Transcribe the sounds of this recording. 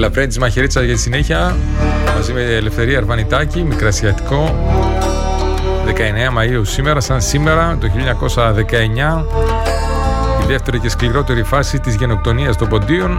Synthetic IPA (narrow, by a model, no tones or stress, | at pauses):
lɐpɾent̪izmɐçeɾit͡sɐzʝɐt̪i̥sine̞çiɐ | mɐzimeːle̞fθe̞ɾiɐɾvɐnit̪ɐcimikɾɐsɐt̪i̥ko̞ | ðe̞kɐe̞neɐmɐiusime̞ɾɐsɐnsime̞ɾɐt̪oçiʎɐɲɐko̞sɐðe̞kɐe̞ɲɐ | iðe̞ft̪e̞ɾice̞skliɾo̞t̪e̞ɾifɐsit̪izʝe̞no̞k̚t̪o̞niɐst̪o̞mbo̞nd̪ion